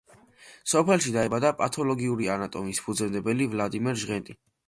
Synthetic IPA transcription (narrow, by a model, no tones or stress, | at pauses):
sɔpʰɛlˠʃid̪aɛbad̪apʼat̪ʰɔlɔɡiuɾianat̪ʼɔmispʰud̪zɛmd̪ɛbɛlivlˠad̪imɛɾʒʁɛnt̪ʼi